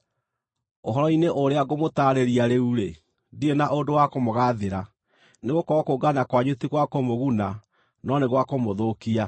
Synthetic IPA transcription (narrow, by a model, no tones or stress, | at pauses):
oɦɔɾɔineʔoɾeaɡomotaːɾeɾiaɾeuɾe | dienaʔodowakomoɣaðeɾa | neɣokɔɔkoɡanakwaɲotiɣwakomoɣuna | nɔneɣwakomoðokia